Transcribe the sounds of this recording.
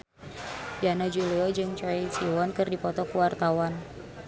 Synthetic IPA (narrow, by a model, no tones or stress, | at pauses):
banɔd͡ʒuliɔd͡ʒɨŋt͡ʃɔisiwɔnkɨrdipɔt̪ɔkuwart̪awan